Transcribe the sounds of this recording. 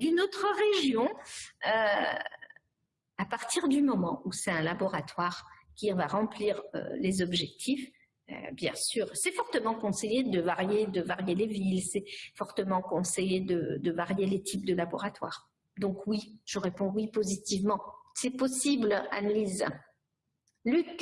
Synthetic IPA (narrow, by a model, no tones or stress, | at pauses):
d̪ynot̪χəʁeʒjɔ̃ø | apaʁt̪iʁd̪ymɔmɑ̃usɛt̪ɛ̃labɔʁat̪waʁkʲivaʁɑ̃pliʁø̰lezɔbʒɛk̚t̪ʰif | bjɛ̃syːʁsɛfɔʁt̪əmɑ̃kɔ̃sejed̪əvaʁjed̪əvaʁjelevilsɛfɔʁt̪əmɑ̃kɔ̃sejed̪əd̪əvaʁjelet̪ʰip̚d̪əlabɔ̰ʁat̪wa̰ːʁ | d̪ɔ̃kwiʒ̥əʁepɔ̃wipozit̪ivmɑ̃sɛpɔsibla̰naliz | lyk